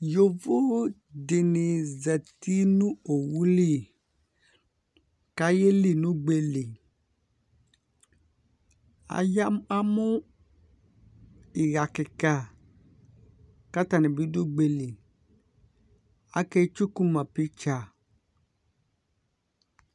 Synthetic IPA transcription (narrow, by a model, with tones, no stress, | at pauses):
jo˨vo˦ | de˨ni˨zɛ˨t̪i˦nũ˦o˨wu˦li˦˨ | ka˦je˦li˦nũ˦ɡ͡be˨li˨ | a̰˨ja˦a˦mo˦ | i˨ɣa˨ke˨ka˦ | ka˦t̪a˨nẽ˨bi˨˦do˦ɡ͡be˨li˨ | a˦kɛ˦t͡ʃu˦ku˦mã˨pi˦t͡ʃa˨